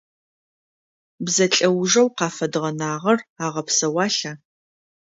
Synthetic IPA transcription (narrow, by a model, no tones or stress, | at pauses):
bzɐɬʼɐwʒɐwqɑːfɐdʁɐnaːʁɐraːʁɐpsɐwɑːɬaː